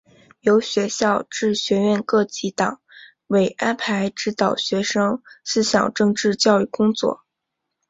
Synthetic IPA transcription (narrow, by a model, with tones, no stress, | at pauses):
jo˧˥ʊɕɥɛ˧˥ɕjɑ˥˧ʊʈ͡ʂɻ̩˥˩ɕɥɛ˧˥ɥɛ˥˧nkɤ˥˧t͡ɕi˧˥t̪ɑ̰˨˩˦ŋ | we˧˩ɪʔa˥npʰa˧˥ɪʈ͡ʂɻ̩˥t̪ɑ˨˩ʊɕɥɛ˧˥ʂɤ˥ŋsɹ̩˥ɕjɑ̰˨˩ŋʈ͡ʂɤ˥˧ŋʈ͡ʂɻ̩˥˧t͡ɕjɑ˥˧ʊy˥˩kʊ˥ŋt͡swɔ̰˥˩